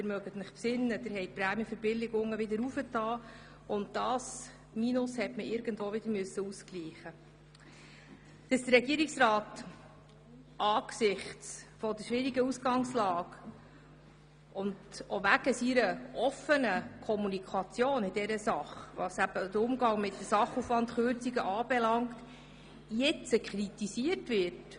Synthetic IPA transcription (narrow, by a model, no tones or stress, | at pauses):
d̪ɪɾmœɡət̪nɪχpsɪnːəd̥̪ɪɾɦɛɪjt̚pɾæmjəfəɾbɪlɪɡʊŋːəʋɪd̪əɾufətʰɑː | ʊnt̚d̥ɑːs | minʊshɛtməʔɪɾɡ̥əntvoːʋɪd̥̪əɾmøsːəuskliːχə | d̥əsd̥̪əɾːɛɡiːəɾiksrɑːt | ʔɑːksɪχtt͡sfɔd̪əʃʋɪɾiɡəusɡɑŋslɑːɡ | ʔʊndoʋæɡ̥əsiɾəʔɔfənəkʰɔmunikʰɑt͡sjoːnɪd̥ɛɾəsɑχʋɑsæb̥əd̥̪əɾʊmɡɑŋmɪtdəsɑχufʋɑnt̪χøɾt͡siɡəʔɑːb̥ɛlɑŋt | jɛt͡səkχɾitisiərtʋɪɾt